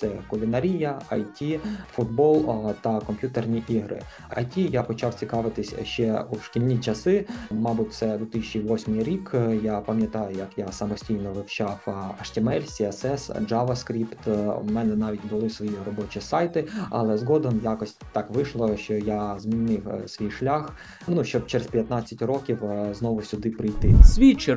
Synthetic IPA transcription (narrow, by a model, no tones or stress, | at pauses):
sɛkʊlʲɪnɐɾʲijɐɐjtʲifʊd̪̚bɔlˠt̪ɐkɔmʲpʲjut̪ernʲiʔiɦɾɪ̰ | ɐ̰jtʲijapɔt͡ʃɑwt͡sʲikɑʋɪt̪ɪsʲʃt͡ʃɛuwʃkʲilʲnʲit͡ʃɐsɪmɑbut̚ʲt̪sɛd̪ʊt̪ɪsʲt͡ʃʲiʋɔsʲmɪjɾʲikjapɐmʲjɐt̪ɑjʊjɐkjasɐmɔsʲtʲijnɔʋɪwt͡ʃɑwɐʃtʲɪmɛlʲsʲiɐsɛsd͡ʒɑʋɐskɾʲipt̪mɛnɛnɑʋʲitʲbʊlˠɪsʋɔjirɔbɔt͡ʃisɑjt̪ɪɐ̰lˠɛzɦɔd̪ɔmjakɔsʲtʲt̪ɑkʋɪʃlˠɔʃt͡ʃɔjazmʲinɪwsʲʋʲijʃlʲax | nuʃt͡ʃɔb̚t͡ʃɛɾespʲjɐt̪nɑt͡sʲːɐtʲrɔkʲiwznɔʋʊsʲʊd̪ɪpɾɪjt̪ɪsʲʋʲit͡ʃɪ